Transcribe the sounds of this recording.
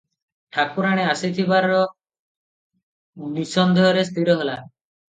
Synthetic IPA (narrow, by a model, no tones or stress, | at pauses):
ʈʰakuɾaɽ̃easit̪ʰibaɾɔ | nisɔnd̪ʱɔɔɾes̬t̪iɾɔɦela